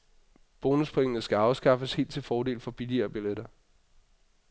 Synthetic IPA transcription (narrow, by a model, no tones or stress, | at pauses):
b̥o̝ːnuspʰeŋənəsɡ̥æɑ̈ʊsɡ̥ɑ̈fəshe̝̰ːld̥̚t͡sʰe̝fɒːde̝̰ːlfɒ̽b̥iliɐːb̥ileɾ̥ɐ